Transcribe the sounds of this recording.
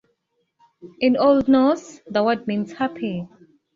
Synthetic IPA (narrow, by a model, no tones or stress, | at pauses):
ʔɪ̃noldnɔsðəwʌd̚mĩnshapʰi